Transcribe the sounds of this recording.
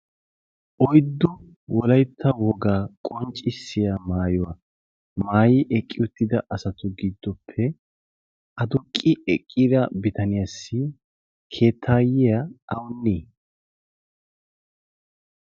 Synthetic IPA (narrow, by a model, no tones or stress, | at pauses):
ʔɔjd̪ːʊ | wɔlɐjt̪ʰːɐwɔɡaːkʼɔnt͡ʃʼɪsːɪjamaːjɔwa | maːjɪʔɛkʼːɪʊt̪ːɪd̪ɐʔɐsɐt̪ʊɡid̪ːɔpʰːɛ | ʔɐd̪ʊkʼːɪɛkʼːiːd̪ɐbɪt̪ɐnɪjasːɪ | kʰe̞ːt̪ʰːaːjɪjɐɐwʊnːiː